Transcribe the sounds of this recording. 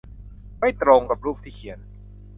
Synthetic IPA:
ma˥˩jt̪ɾo˧ŋka˨˩p̚ɾuː˥˩p̚t̪ʰiː˥˩kʰi˩˦ən

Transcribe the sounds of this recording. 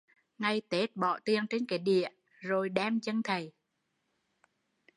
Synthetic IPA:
ŋa˧jt̪e˦˥t̚ɓɔ̰˧˨t̪i˧˩əŋt͡ɕe˧nkaː˨˦ɗḭ˧˨ə | zo˨˩jɗɛ˧mt͡ɕə˧ŋt̪ʰə˨˩j

